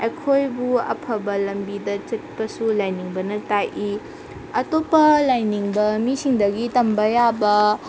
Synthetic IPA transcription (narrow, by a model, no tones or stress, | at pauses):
ekʰojbuɐ̰pʰɐbɐlɐmbidɐt͡ʃɐt̚pɐsulajniŋbɐnɐtajʔi | ɐtopːɐlajniŋbɐmisiŋdɐɡitɐmbɐjabɐ